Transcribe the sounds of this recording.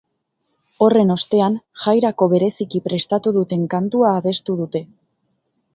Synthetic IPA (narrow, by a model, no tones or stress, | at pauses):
o̞re̞no̞st̪e̞anʝajɾako̞βe̞ɾe̞sikipɾe̞st̪at̪uðut̪e̞ŋkant̪uaːβe̞st̪uðut̪e̞